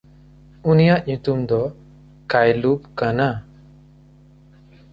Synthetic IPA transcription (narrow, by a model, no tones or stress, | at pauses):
unijaʔɲut̪umd̪ɔ | kajlupkana